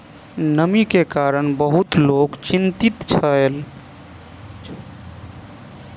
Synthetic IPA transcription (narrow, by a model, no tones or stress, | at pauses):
nəmikekaɾənbəɦut̪lokt͡ʃint̪it̪t͡ʃʰəel